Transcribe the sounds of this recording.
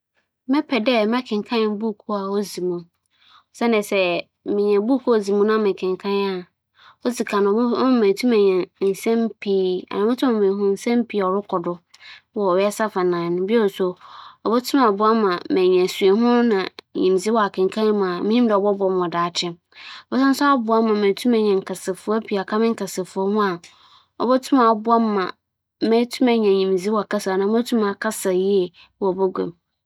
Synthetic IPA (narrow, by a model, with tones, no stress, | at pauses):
mɛ̃˦pʰɛ˨dɛ˦mɛ̃˦kʰɪ̃˨ŋ˨kʰã˦nɪ̃˨˦bu˦˨kʰu˦a˨o˦zi˨mũ˦˨ | sɛ˦nɪ̃˨sɛ˦ | mɪ̃˨ɲɛ̃˨bu˦kʰu˦ɔ˨zi˨mũ˦nã˦˨mɪ̃˨kʰɪ̃˨ŋkʰã˦na˨ | ɔ˦zi˨kʰã˨nʊ̃˨˦mɛ̃˨tʰũ˦mɛ̃˨ɲɛ̃˨n̩˨sɛ̃˦mpʰiː˦a̰˨nã˨mʊ̃˦tʰʊ̃˦m̃˨mɛ̃˨ɦʊ̃˦n̩˨sɛ̃˦mpʰi˨ɔ˨ɾʊ˦kʰɔ˨dʊ˦wɔ˦ɔ˨ɥɛ˦sa˦fa˨nãː˨nʊ̃˨bi˦o˦˨sʊ˨ɔ˨bɔ˦tʰʊ̃˦mã˨bʊ˦a˦mːã˨mɛ̃˨ɲɛ̃˨su˨e˨ɦʊ̃˦nã̰˨ɲḭ̃˨m˨zi˦wɔ˨a˨kʰɪ̃˨ŋ̩˨kʰã˦mã˨mɪ̃˦ɲĩ˦dɛ˨ɔ˨bɔ˦bɔ˦m˨ɔ˨daː˨t͡ɕʰɪ˦˨ | bɔ˦sã˦n˦sʊ˦a˦bʊ˨˦a˦mːã˨mɛ̃˨tʰu˦mɛ̃˨ɲɛ̃˨ŋ̩˨kʰa˨sɪ˨fʊ˨˦ɔ˦pʰi˨a˨kʰa˦mɪ̃˦ŋ̩˦ka˨sɪ˨fʊ˦ɔ˦hʊ̃˦a˨ | ɔ̰˨bɔ˦tʰʊ˦mã˨bʊ˦a˦mː˦ã̰˨ | mɛ̃˦tʰu˦mɛ̃˨ɲɛ̃˨ɲĩ˨m˨zi˦wɔ˨a˨ka˦sa˨nã˨˦ɔ˦tʰu˦mã˨kʰa˦sa˨ji˦ɛ˨ | wɔ˨bɔ˦ɡʷɛ̰̃˨m